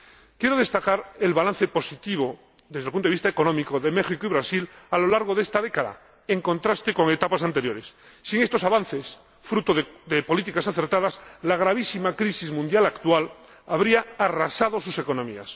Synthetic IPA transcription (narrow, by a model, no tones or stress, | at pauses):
kjeɾo̞ðe̞st̪akaɾe̞lβalan̟θepo̞sit̪iβ̞o | ðezðlpunoist̪aekonomikoðe̞me̞xikoiβɾasilalo̞laɾɣ̞oðe̞st̪aðekaða̰ | eŋkõ̞nt̪ɾast̪eko̞ŋe̞t̪apasant̪e̞ɾjo̞ɾesːiŋe̞st̪o̞saβanθe̞s | fɾut̪oððepo̞lit̪ikasaθe̞ɾt̪aðaslaɣ̞ɾaβ̞isimakɾisizmũnjalakt̪wal | aβɾiaarasað̞o̞suseko̞nomḭa̰s